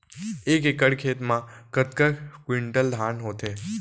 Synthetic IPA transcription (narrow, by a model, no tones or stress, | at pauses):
ekekəɽkʰet̪mãkət̪kəkwiɳʈəld̪ʱanɦot̪ʰe